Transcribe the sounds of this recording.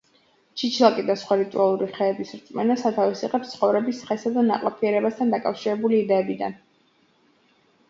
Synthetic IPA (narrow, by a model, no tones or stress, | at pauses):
t͡ʃʰit͡ʃʰlˠakʼid̪asχwaɾit̪ʼualˠuɾiχɛːbisɾt̪sʼmɛnasat̪ʰavisiʁɛpst̪sʰχɔvɾɛbisχɛsad̪ana̰qʼlˠapʰiɛɾɛbast̪ʰand̪akʼafʃiɾɛbuliːd̪ɛːbid̪a̰n